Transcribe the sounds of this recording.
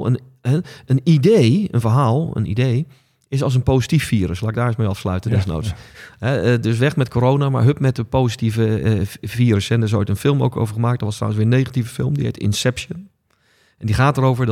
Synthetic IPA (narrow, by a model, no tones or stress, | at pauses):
ə̰n | ənidejə̰nvəɹɦaːlˠə̰nḭdeː | ɪsɔlˠs̬ənpoːsitifːiəɾəslˠaːɪɡ̚daːɪsməɑfslœ̰ɥtəndɛsno̰ːtshɛədøs̬ʋɛxmɛt̚kʰoːɾownama̰ɹɦøpmɛt̚əpoːzitivəfiːɾəsɛndəɹɪs̬o̰ːjtənfɪlˠmo̰wkʰo̰wvəɹχəmaːk̚dɔtʋɔstra̰wənsʋɪːɹənejɣativəfɪ̰lˠmdihḛtɪ̰nsɛpsjən | ʔɛndiχaːtəɾowvəɹd